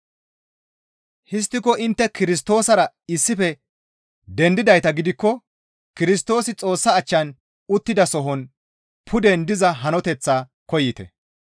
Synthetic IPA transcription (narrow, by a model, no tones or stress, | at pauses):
hɪs̬t̪ːɪkɔʔɪnt̪ːɛkɪɾɪs̬t̪o̞ːsɐɾɐ | ɪsːɪfɛ | d̪ɛnd̪ɪd̪ɐjt̪ɐɡɪd̪ɪkːɔ | kɪɾɪs̬t̪o̞ːsɪt͡sʼo̞ːsːɐːt͡ʃːɐn | ʊt̪ːɪd̪ɐsɔɦɔn | pʰʊd̪ɛnd̪ɪzɐɦɐnɔt̪ɛt͡sːaː | kɔjːɪt̪ɛ̰